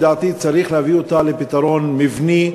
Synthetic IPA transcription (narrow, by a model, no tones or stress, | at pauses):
d̪aːt̪it͡saɾiχleavio̞t̪alepit̪aɾo̞nmivni